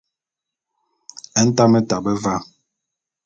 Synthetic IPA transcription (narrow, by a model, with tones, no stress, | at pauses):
ɛ˦n̩˦ta˦mɛ˦ta˨bɛ˦va˦˨